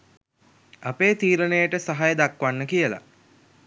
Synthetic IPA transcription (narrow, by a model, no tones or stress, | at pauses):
apeːt̪iːɾənejəʈəsaɦajəd̪akʋanːəkijəla̰